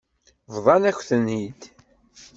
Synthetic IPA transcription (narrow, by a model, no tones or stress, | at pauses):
vðˤɑnæçθənhid̪